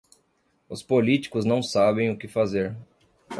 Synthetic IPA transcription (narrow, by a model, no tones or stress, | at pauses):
ʊspolit͡ʃi̥kʊznɐ̃w̃sabẽj̃ʊkɪfazeɾ